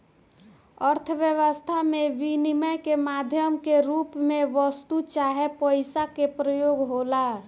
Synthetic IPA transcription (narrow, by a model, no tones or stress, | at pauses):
əɾt̪ʰəʋjəʋəst̪ʰameʋiniməjkemad̪ʱjəmkeɾupmeʋəst̪ut͡ʃaɦepəɪsakepɾəjoɡɦola